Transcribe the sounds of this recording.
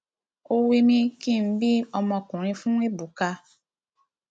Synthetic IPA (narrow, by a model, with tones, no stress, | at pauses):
o˧wi˧mĩ˧ki˦˨m̩˨˦bi˦ɔ˧mɔ̃˧kũ˨ɾ̃ĩ˧fũ˦e˦bu˨ka˧